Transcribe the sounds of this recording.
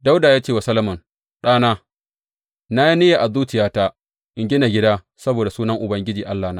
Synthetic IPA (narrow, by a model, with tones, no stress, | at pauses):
da˦wdaː˨jaː˦t͡ʃeː˦wa˨sɐ˦lɐ˦mʊ˨n | ɗaː˦naː˦ | na˦ji˦ne˦ja˨ʔa˨zuː˦t͡ʃɪ˨jaː˦taː˦ | ʔɪ˨ŋɡʲɪ˦na˨ɡʲɪ˦daː˦ | sɐ˦boː˨da˨suː˦nɐ˦ŋʔʊ˨bɐ˦ŋɡʲɪ˦d͡ʒiː˨ʔa˦lːaː˨na˦